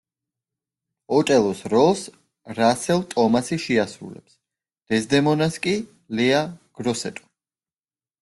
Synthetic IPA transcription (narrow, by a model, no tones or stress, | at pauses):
ɔt̪ʼɛlˠɔsɾɔlˠs | ɾasɛlˠt̪ʼɔmasiʃɛasɾṵlɛ̰ps | d̪̥ɛzd̪ɛmɔnaskʼi | lɛaɡ̥ɾɔsɛt̪ʼɔ̥